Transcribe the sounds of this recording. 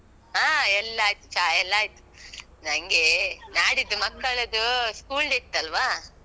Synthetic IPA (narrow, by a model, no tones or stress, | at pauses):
ɦãːɛlːɐaːjt̪ut͡ʃaɛlːaːjt̪u̥ | nɐŋɡenaːɽid̪umɐkːɐɭɐd̪uskuːldit̪ːɐlʋaː